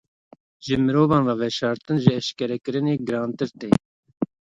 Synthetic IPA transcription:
ʒɨmɨɾoːvɑːnrɑːvɛʃɑːɾt̪ɨnʒɨɛʃkɛɾɛkɨɾɨneːɡɨɾɑːnt̪ɨɾt̪eː

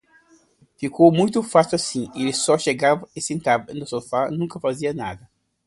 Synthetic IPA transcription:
fikowmũj̃t̪ʊfasʊasĩelɪsɔʃeɡavɐɪsẽnt̪avɐnʊsofanũŋkɐfaziɐna̰d̪ɐ

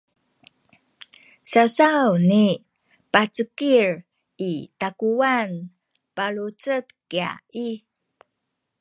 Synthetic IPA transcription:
sasawni | pat͡səkir | itakuan | paɭut͡sətkia̰ʔi

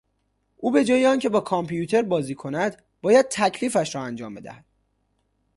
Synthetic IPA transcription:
ʔuːbe̞d͡ʒɒːjeɒːncʰe̞bɒːkʰɒmpʰijut̪ʰe̞ɾbɒːziːkʰo̞næd̪ | bɒːjæd̪̥̚t̪ʰæcʰliːfæʃɾɒːænd͡ʒɒːmbe̞d̪æ̰hæd̪̥

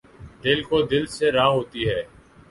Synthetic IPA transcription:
d̪ɪlkoːd̪ɪlseːɾaːɦoːt̪iːɦɛː

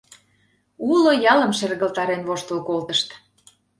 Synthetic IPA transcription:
ulojɑlə̆mʃerɣə̆lt̪ɑɾenβoʃt̪əlkolt̪ə̆ʃt̪

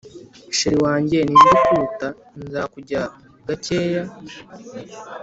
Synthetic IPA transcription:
ʃiɾiwaːɲɟeninekuta | nza̰kuɟa | ɡ̥ace̞ːja

